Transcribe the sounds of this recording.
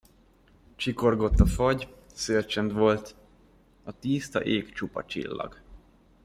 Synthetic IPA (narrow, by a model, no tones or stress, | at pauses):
t͡ʃiko̞rɡo̞t̪ːɒfɒɟsølt͡ʃɛnt̪ʋo̞lt̪ | ɒt̪iːst̪ɒ̰ʔeːkt͡ʃupɒ̰t͡ʃḭlːɒ̰ɡ